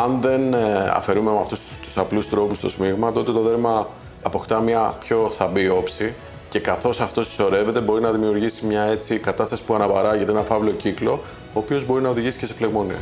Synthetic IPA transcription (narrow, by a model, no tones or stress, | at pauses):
ɐnðe̞nɐ̰fe̞ɾume̞meɐft̪ust̪u̥sɐplust̪ɾo̞pust̪o̞̰smiɣmɐt̪ot̪et̪o̞ðe̞ɾmɐː | po̞xt̪ɐmɲɐpço̞θɐbio̞psi | ce̞kɐθo̞sɐft̪o̞si̥so̞ɾe̞ve̞t̪e̞bo̞ɾinɐðimiuɾʝisimɲɐe̞t͡sikɐt̪ɐst̪ɐsi̥puɐnɐpɐɾɐzʝet̪eenɐfɐvlo̞ciklo̞ | oːpio̞zbo̞ɾinɐo̞ðiʝisi̥cesefle̞ɣmo̞nḭɐ